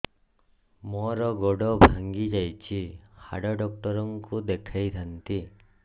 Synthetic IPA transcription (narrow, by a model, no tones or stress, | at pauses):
mɔɾɔɡɔɽɔbʱaŋɡid͡ʒajt͡ʃʰiha̰ɽɔɖɔk̚ʈɔɾɔŋkud̪ekʰajt̪ʰant̪i